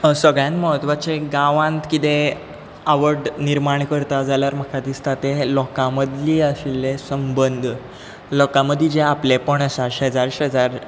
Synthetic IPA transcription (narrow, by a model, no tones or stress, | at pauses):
səɡɭjãnt̪məɦət̪ʋat͡ɕeɡãʋãnt̪kit̪ẽ | aʋəɽniɾmaɳkəɾt̪ad͡zaljaɾməkʰad̪ist̪at̪elɔkãməd̪liːəsilːesəmbənd̪ʱ | lɔkãməd̪ʱːid͡ʑeaplepəɳəsaɕɦd͡zaɾɕəd͡zaɾ